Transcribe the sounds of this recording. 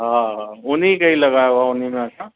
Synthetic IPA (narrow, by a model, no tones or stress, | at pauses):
ɦãɦaʊnikɐɦilɐɡaːjaʋaʊnimẽəsa